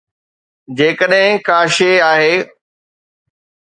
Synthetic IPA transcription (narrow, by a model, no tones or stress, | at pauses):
d͡ʑeːkəɗɦɪ̃kaːʃeaːɦeː